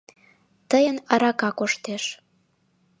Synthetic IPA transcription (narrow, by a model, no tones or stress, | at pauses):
t̪əjənɑɾɑkɑkoʃt̪eʃ